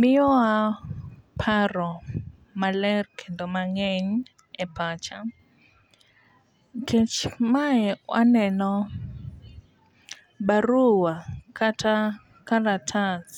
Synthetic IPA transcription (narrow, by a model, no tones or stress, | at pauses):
mɪjɔa | pʰaɾɔ | malɛrkʰɛndɔmaŋɛɲ | ɛpʰat͡ʃa | kʰɛt͡ʃmaɛwʔa̰nɛnɔ | ɓaɾuwakʰatʰa | kaɾatʰas